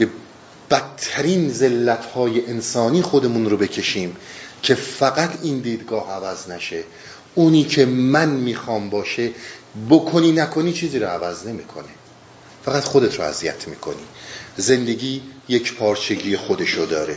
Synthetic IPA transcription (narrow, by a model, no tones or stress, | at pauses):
b̥e̞ | b̥æt̪ʰːæɾiːnze̞lːæt̪ʰhɒːjeʔensɒːniːxo̞d̪e̞munɾobe̞cʰe̞ʃiːmcʰe̞fæɣæt̪ʰiːnd̪iːd̪ɡɒːhævæznæʃe̞ | uːniːcʰe̞mænmiːxɒːmbɒːʃe̞bokʰoniːnækʰo̞niːt͡ʃʰiːziːɾoævæzne̞miːkʰone | fæɣæt̪xod̪e̞t̪ʰɾo̰æ̰zijæt̪ʰmiːkʰo̞̰niːze̞nd̪e̞ɡiːjecpʰɒːɾt͡ʃʰe̞ɟiːjexod̪e̞ʃod̪ɒːɾe